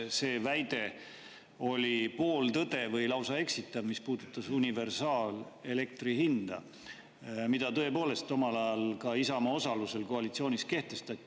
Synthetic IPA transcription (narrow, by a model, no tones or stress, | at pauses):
se̞ːvæjd̪̥e̞ | o̞lʲipo̞ːlt̪ɤd̪̥e̞vɤjlɑwsɑe̞ksit̪ːˑɑvmispuːd̪̥ut̪ːˑɑsunʲive̞rsɑːl | e̞le̞k̚t̪riɦind̪̥ɑ̰ | mid̪̥ɑt̪ɤ̞epo̞ːle̞st̪ːˑo̞mɑlɑjɑlkɑisɑmɑo̞sɑluse̞lko̞ɑlit̪sio̞ːnis̚ke̞ht̪e̞st̪ɑt̪ʲːˑi